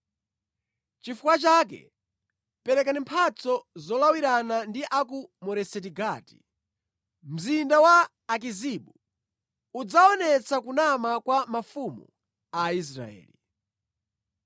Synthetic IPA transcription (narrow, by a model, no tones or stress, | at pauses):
t͡ʃifukwat͡ʃakɛ̰ | pɛɾɛkanimpʰat͡sɔzɔlawiɾanandiʔak̬umɔɾɛsɛtiɡaːti̥ | m̩zindawaː | k̬iziɓu | ud͡zaɔnɛt͡sakunamakwamafumṵ | ais̬ɾa̰ɛ̰ːli